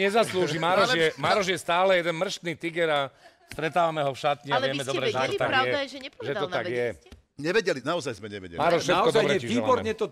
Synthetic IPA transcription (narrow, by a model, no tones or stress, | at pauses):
ɲɛzasluːʒimaːɾɔʒjɛmaːɾɔʒjɛst̪aːlɛjɛd̪ɛnmr̩ʃt̪niːt̪iɡɛɾa | st̪ɾɛt̪aːʋamɛɦɔfʃat̪ɲɛavɪɛmɛd̪ɔbɾɛʒɛt̪ɔt̪aɾɡaɛajɛʒɛɲɛpɔʒɛd̪aɔt̪aɡjɛ | ɲɛʋɛɟɛlinaɔzajzmɛɲɛʋɛ̰ɟɛ̰maːɾɔʃfʃɛtakɔdaɔbɾɛɛiʒiːabɔɾɲɛt̪ɔ